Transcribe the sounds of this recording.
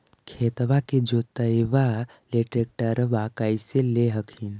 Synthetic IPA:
kʰeːt̪ʋaked͡ʒot̪əjʋa | leʈɾek̚ʈəɾʋakaiseleɦəkʰin

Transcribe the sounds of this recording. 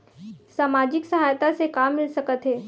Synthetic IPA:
saːmaːd͡ʑɪksɐɦaːjt̪asekaːmːɪlsəkət̪ɦeː

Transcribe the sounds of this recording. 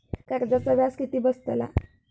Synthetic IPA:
kaɾd͡ʑat͡sabjaskit̪iːbəst̪əla̰

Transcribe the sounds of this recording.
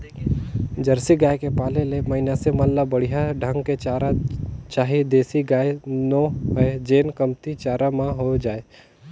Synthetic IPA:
d͡ʒəɾsiɡaːjkepaːlelemɐɦɪnasemalːabəɽ̤iɦaɖʱə̃ŋɡket͡ʃaːɾat͡ʃaːɦid̪eːsiɡaːenoɦed͡ʒeːnkəmt̪it͡ʃaːɾamãɦod͡ʒaːe

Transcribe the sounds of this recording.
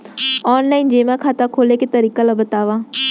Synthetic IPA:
ɔːnlaːind͡ʒeːmɛ̃ːkʰaːt̪akʰoːleket̪əɾiːkalabət̪aːʋãː

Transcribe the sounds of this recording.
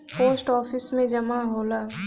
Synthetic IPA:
poːsʈɔːpʰɪsmẽd͡ʒɐmaɦoːlaː

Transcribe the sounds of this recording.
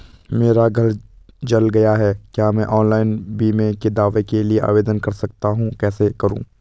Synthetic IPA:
meːɾaɡʱɐld͡ʒɐlɡɐjaɦɛːkjaːmɛ̃ʔɔːnlaːɪnbiːmẽked̪aːʋekelieʔa̰ːʋeːd̪ənkɐɾsɐkt̪aɦũkɛːsekɐɾṵ̃ː

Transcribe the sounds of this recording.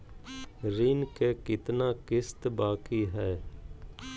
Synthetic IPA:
ɾɪnkeːkɪt̪naːkɪst̪baːkiːɦɛː

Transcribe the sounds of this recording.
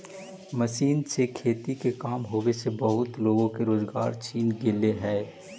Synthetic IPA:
məʃiːnsekʰeːt̪ikekaːmɦoːwesebɐɦʊt̪loːɡõkeɾoːzɡaːɾt͡ʃiːnɡɪleɦɛː

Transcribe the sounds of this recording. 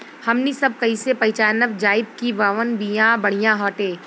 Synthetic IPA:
hɐmnisɐb̚kɐisepɐɪt͡ʃaːnəbd͡ʒaːɪb̚kiʋəʋənbijãbɐɽ̤ijãɦɔːʈẽː

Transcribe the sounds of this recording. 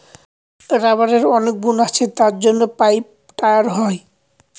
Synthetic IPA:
ɾaβaɾeɾɔnek̚bunat͡ɕʰet̪aɾd͡ʑonːopajp | ʈajaɾɦɔe

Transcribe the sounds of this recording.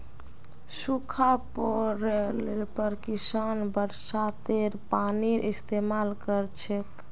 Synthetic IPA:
sukʰapɔɾelepəɾkisanbəɾsat̪eɾpaniɾʔist̪emalkəɾt͡ʃʰek

